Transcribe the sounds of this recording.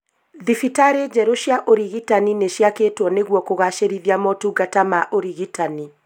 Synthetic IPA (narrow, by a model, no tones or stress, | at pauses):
ðifitaɾed͡ʑɛɾoɕjaʔoɾiɣitanineʃjaketwɔneɣwɔkoɣaʃeɾiðjamɔtuɡatamaʔoɾiɣitani